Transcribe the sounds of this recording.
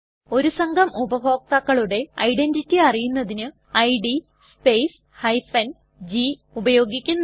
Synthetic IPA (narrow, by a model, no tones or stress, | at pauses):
o̞ɾusɐŋɡʱɐmubɐbʱo̞ːk̚t̪ɐkːɐɭuɽe̞ɐjɖenditːiɐrijunːɐðinɨ | ɐjɖi | speːs | hɐjfɐn | d͡ʑi | ubɐjo̞ːɡikʲːunː